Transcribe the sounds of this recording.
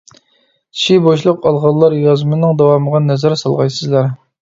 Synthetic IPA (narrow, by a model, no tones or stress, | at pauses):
ʃiboʃlˠəqʰɑlˠʁɑlˠːɑɾjɑzmɨnɨŋd̪ɑwɑməʁɑnɛzæɾsɑlˠʁɑjsɨzlˠɑɾ